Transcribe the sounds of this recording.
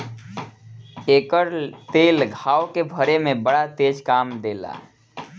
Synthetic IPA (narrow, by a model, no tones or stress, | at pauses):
eːkəɾt̪eːlɡʱaːokebʱəɾemẽbəɽat̪eːd͡ʒkaːmd̪eːla̰ː